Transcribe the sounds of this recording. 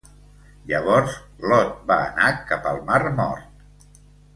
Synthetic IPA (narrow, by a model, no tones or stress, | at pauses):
ʎəβ̞ɔɾzlɔt̪̚baənakapəlˠmarmɔ̰ɾt̪̚